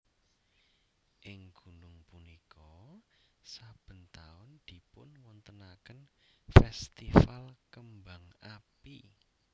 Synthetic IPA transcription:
ʔɪŋɡ̥ṳnʊŋpunikʰɔ | sab̥ə̤nt̪aʊnd̪̥i̤pʊnwɔnt̪ənakənfɛst̪ifalkəmbaŋapi

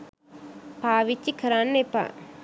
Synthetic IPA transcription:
paːʋit͡ʃːikʰɐɾaːnːepa̰

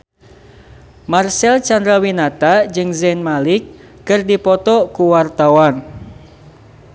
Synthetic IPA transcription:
marsɛlt͡ʃand̪ɾawinat̪ad͡ʒɨŋzɛnmalikː | ɨrdipɔt̪ɔkuwart̪awan

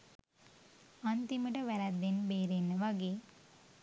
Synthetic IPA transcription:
ant̪iməʈəʋæɾæd̪ːenbeːɾenːəʋaɡeː

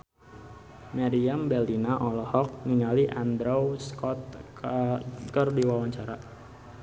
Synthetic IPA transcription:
maɾiambɛlinaʔɔlɔhɔk̚niŋaliʔand̪ɾawskɔt̪̚ | kərdiwawaɲt͡ʃaɾa

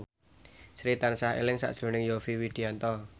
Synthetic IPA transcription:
sɾit̪ansaɦḛlɪŋsa̰ʔʒ̥ɾo̤nɪŋjofiwid̪̥i̤ant̪ɔ

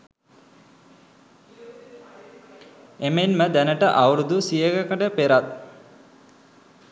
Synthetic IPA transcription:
emenməd̪ænəʈəʔawəɾud̪usijəɡəkəʈəpeɾat̪̚

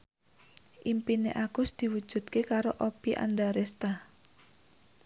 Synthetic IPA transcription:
ʔimpinḛʔaɡ̥ʊsd̪̥i̤wud̥ʒ̥ṳd̪kekaɾoʔopiʔa̰nɖaɾest̪ah

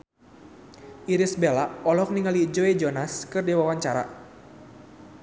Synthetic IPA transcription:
ʔiɾisbelaɔlɔk̚niŋalid͡ʒoed͡ʒɔnaskɨrdiwawaɲt͡ʃaɾa̰

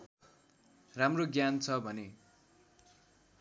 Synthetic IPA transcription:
ramroɡjant͡sʰʌbʱʌne

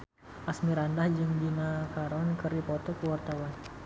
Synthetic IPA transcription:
ʔasmiɾandahd͡ʒɨŋbinakaɾɔnkəɾipɔt̪ɔkuwart̪awan

